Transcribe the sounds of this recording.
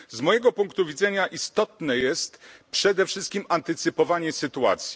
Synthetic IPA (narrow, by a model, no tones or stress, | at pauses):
zmɔjɛɡɔpuŋkt̪uvʲid̪zɛɲaʔist̪ɔt̪nɛjɛst̪pʂɛd̪ɛfʂɘst̪̚kʲimant̪ɘt̪sɘpɔvaɲɛsɘt̪ua̰t̪sʲji